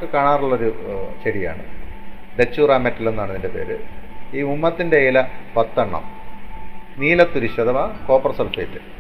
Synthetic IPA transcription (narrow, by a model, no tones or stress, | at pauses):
kːɨkaːɳaːruɭːo̞ɾuɕeɽija̰ːɳɨ̰ | d̪et͡ɕːuːraːmetːɐlenːɐɽɐnːindepe̞ːɾɨiːmumːɐt̪ːindejlɐpɐt̪ːɐɳːɐ̰m | niːlɐt̪ːuɾiɕɐd̪ɐʋɐko̞ːpɐrɐsɐlfeːtːɨ